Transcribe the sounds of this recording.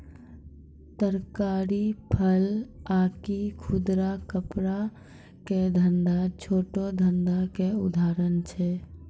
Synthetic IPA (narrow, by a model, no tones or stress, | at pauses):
t̪əɾkaːɾipʰəlaːkikʰud̪ɾakəpɾa | ked̪ʱənd̪at͡ʃʰoːʈod̪ʱənd̪akeʊd̪ʱaːɾənt͡ʃʰɛ